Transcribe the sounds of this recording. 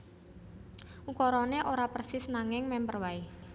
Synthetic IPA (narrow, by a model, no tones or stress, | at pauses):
ʔukɔɾɔneʔoɾapərsɪsnaŋɪŋmɛmpərwai